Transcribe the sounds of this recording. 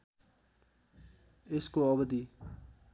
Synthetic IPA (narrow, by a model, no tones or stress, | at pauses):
eskoʌbʌd̪i